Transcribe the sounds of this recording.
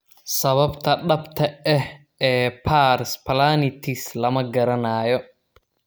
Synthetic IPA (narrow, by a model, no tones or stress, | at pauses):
sɐβɐbt̪ʰɐɖɐbt̪ʰɐɛh | ɛːpʰaːɾspʰɐlaːnɪt̪ʰɪslɐmɐɡɐɾɐnaːjɔ